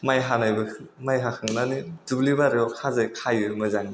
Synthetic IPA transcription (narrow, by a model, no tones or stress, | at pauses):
majɦanajbɯmajɦakʰɯŋnanidublibaɾiɔkʰazajkʰajɯmɯzaŋi